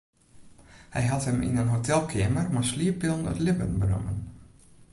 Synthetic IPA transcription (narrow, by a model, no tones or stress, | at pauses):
hɛ̰jɦathəmḭnənɦotʰɛlˠkʰeːmərmasliəpɪlˠnə̰tlɪbənbənʊ̰mən